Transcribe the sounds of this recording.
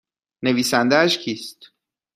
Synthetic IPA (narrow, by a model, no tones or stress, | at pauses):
ne̞viːsænd̪ææʃcʰiːst̪